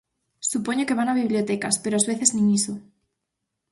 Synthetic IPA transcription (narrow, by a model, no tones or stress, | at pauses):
supoɲoke̞βanaβ̞iβ̞ljot̪ekaspeɾoazβeθeznĩŋiso